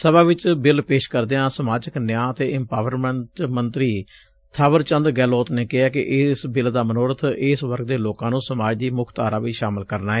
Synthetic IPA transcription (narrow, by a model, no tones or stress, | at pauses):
səbaːʋɪt͡ʃbɪlpeːʃkəɾd̪eːãːsəmaːd͡ʒəknjãːət̪eːʔɪmpaːʋəɾmɛɳʈmənt̪ɾiː | t̪ʰaːʋəɾt͡ʃənd̪ɡɛːloːt̪neːkɪɦaːkɪ̰ʔɪsbɪld̪aːmənoːɾət̪ʰɪsʋəɾk̚d̪eːloːkãːnũːsəmaːd͡ʒd̪iːmʊkʰt̪aːɾaːʋiːʃaːmɪlkəɾnaːɛː